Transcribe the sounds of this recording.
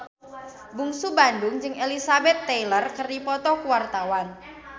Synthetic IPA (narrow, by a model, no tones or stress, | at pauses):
buŋsubandʊŋd͡ʒɨŋʔelisabɛt̪ːejlərkərdipɔt̪ɔkuwart̪awan